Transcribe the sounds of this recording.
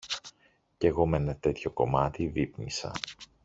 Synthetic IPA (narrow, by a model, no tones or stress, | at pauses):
ce̞ɣo̞menɐt̪e̞t̪ço̞ko̞mɐt̪ivipnisɐ̰